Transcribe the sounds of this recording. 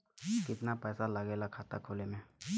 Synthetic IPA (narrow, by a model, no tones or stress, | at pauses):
kɪt̪napɛːsalɐɡelakʰat̪a̰kʰolemɛ̃